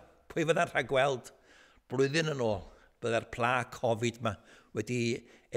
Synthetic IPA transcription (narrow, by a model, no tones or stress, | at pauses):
pʰʊɨvənar̥aɡwɛlˠd̥ | b̥rʊɨðɨnənoːlˠ | b̥əðɛrpʰlˠaːkʰɔvɪdmawɛdi